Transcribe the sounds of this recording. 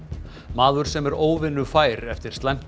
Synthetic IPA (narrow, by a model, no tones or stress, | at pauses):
maːðʏɾ̥sɛmɛɾoːwvɪnːʏfaːjɾɛft̪ɪɾ̥st̪lajm̥